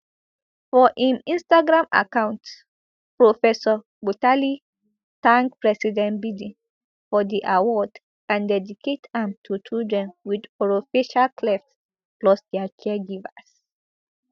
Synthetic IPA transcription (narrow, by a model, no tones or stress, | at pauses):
fɔʔĩnĩnstaɡɹãma̰kãʊ̃nt | pɹofɛsɔ | butali | tãŋk̚pɹɛsidɛ̃nbidĩ | fɔdiʔawɔd | ãndɛdikʰetɛ̃mtʰut͡ʃildɹɛ̃nwidɔɹofiʃalkʰlɛft | plɔsdɛat͡ʃʰɛɡivas